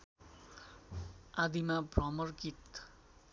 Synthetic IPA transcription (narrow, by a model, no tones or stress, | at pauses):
ad̪imabrʌmʌrkit̪